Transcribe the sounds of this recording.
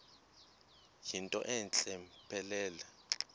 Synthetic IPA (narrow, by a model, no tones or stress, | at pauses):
jintʼɔ̰ʔɛnt͡ɬʼɛmpʰʼɛlɛːlɛ